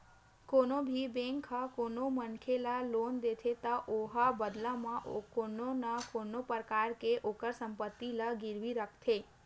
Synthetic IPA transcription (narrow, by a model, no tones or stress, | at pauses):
konobʱibẽŋkʰakonomənkʰelalond̪et̪ʰet̪aʔoɦabəd̪lamãʔkononakonopəɾkaɾkeʔokəɾsəmpət̪ːiləɡɪɾʋiɾəkʰt̪ʰe